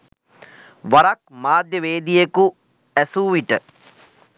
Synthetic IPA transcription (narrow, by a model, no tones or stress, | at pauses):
ʋaɾak̚maːd̪jəʋeːd̪ijeku | æsuːʋiʈə